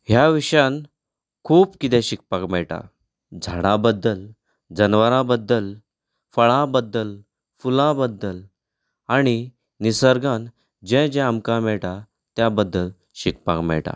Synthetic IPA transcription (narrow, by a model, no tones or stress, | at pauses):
ɦjaʋiɕjãn | kʰuːpkit̪ɛ̃ɕik̚pakmɛɭʈa̰ | d͡zʱaɽ̃ãbəd̪ːəl | d͡zənʋəɾãbəd̪ːəl | fəɭãbəd̪ːəl | fulãbəd̪ːəl | aɽ̃i | nisəɾɡãn | d͡ʑɛ̃d͡ʑɛ̃amkãmɛɭʈa | t̪jabəd̪ːəl | ɕik̚pa̰kmɛ̰ɭʈa̰